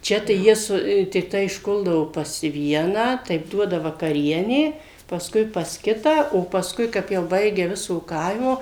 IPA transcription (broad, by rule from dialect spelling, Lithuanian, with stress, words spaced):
ˈt͡ʃʲɛ tɐɪ ˈjiɛ ˈsʊ tʲɪkˈtɐɪ ɪʃˈkʊlˠdɐʋoː pɐs ˈʋʲiɛnɑː ˈtɐɪp ˈduɔdɐ ʋɐkɐˈrʲiɛnʲeː pɐsˈkʊɪ pɐs ˈkʲɪtɑː oː pɐsˈkʊɪ ˈkɐp jɛʊ ˈbɐɪɡʲɛ ˈʋʲɪsoː ˈkɐɪmoː